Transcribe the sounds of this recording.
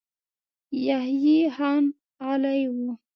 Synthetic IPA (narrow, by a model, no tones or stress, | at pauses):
jahjihɑn | alajwu